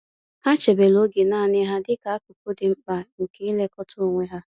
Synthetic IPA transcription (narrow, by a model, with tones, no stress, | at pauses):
ha˦t͡ʃe˨be˨lo˦ɡe˨naː˦˨nɪ˦ɦa˦dɪ˦ka˨a˦ku˨kʊ˦dɪ˨ŋ͡m̩˦k͡pa˨ŋ̩˨ke˦i˦le˦kɔ˦tʰʊ˦˨ŋʷe˦ɦa˦